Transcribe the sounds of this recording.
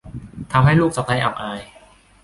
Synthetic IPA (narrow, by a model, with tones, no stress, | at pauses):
t̪ʰa˧mɦa˥˩jluː˥˩k̚t͡ɕa˨˩a˧jʔa̰˨˩ʔaː˧j